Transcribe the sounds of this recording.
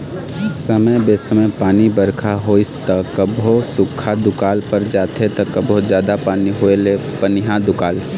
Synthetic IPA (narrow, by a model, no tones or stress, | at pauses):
səməjbesəməjpaːnibəɾkʰaɦoɪst̪əkəbʱosʊkʰad̪ʊkaːlpəɾd͡ʒaːt̪ʰet̪ɐkəbʱod͡ʒjaːd̪apaːniɦoelepənɪɦãd̪ʊkaːl